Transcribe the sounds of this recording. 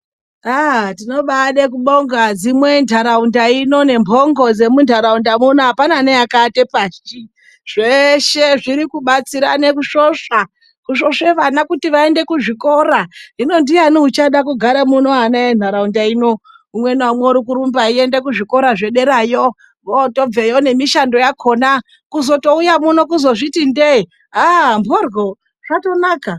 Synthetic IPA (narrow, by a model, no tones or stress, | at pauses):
atino̞ɓaɗekuɓo̞ŋɡad͡zimwe̞ndʱaɾaundaino̞ne̞mbʱo̞ŋɡo̞d͡ze̞mundʱaɾaundamunoapananejakate̞paʃt͡ʃi | ʐeʃe̞ʐiɾikuɓat͡siɾa̰ne̞kuʃoʂa | kuʃo̞ʂe̞ʋanakutiʋae̞nde̞kuʐiko̞ɾaɦino̞ndianiut͡ʃaɗakuɡʱaɾamuno̞anaen̤aɾaundaino̞ | umwe̞namweoɾik̬uɾumbaie̞nde̞kuʐiko̞ɾaʐe̞ɗe̞ɾajo | ɡoto̞b͡vejo̞ne̞miʃando̞jakʰoːna | kuzo̞to̞ujamuno̞kuzo̞ʐitindei | ɦamborɡo | ʐ̥ato̞naːka